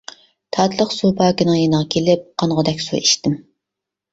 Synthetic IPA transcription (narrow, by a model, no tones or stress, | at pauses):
t̪ʰɑt̪lˠəqsupʰɑːkʲɪnɨŋjenəʁɑkʲʰelɪp̚qʰɑnʁəd̪ɛkʲsṵiʃt̪ɪm